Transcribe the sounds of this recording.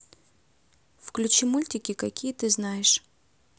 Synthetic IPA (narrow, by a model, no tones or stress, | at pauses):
fklʲut͡ɕimulʲtʲɪkʲɪkɐkʲijət̪ɨznajɪʂ